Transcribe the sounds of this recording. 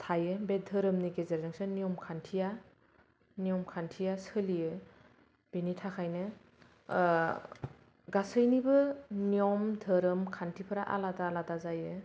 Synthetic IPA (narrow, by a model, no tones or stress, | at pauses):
tʰajɯbedʱɯɾɯmniɡezeɾzɯŋsɯnijɔmkʰantʰija | nijɔmkʰantʰijasɯlijɯ | b̥initʰakʰajnɯ | ɡasɯjnibɯniɔmdʱɯɾɯmkʰantʰipʰɯɾaʔa̰ladaːladazajɯ